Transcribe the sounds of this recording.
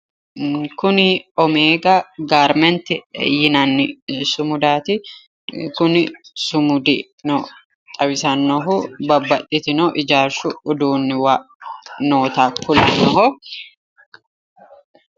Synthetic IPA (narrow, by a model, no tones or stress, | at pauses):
kʊnɪɔmeːɡaɡaːɾmɛnt̪ɪjɪnanːɪsʊmʊd̪aːt̪ɪ | kʊnɪsʊmʊd̪ɪ | no | t̪ʼɐβɪsɐnːɔɦʊbɐbːɐt̪ʼːɪt̪ɪnoːʔɪd͡ʒaːɾʃʊʊd̪uːnːɪwaʔno̞ːt̪aːkːʊlɪnɔɦɔ